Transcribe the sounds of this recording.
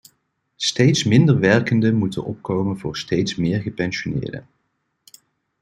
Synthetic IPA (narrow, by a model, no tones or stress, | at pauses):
stejtsmɪndəɹʋɛɹkəndəmutə̰nʔɔp̚kowmənvʊːɹstejtsmɪːɹχəpɛnsonɪ̰ːɹdə̰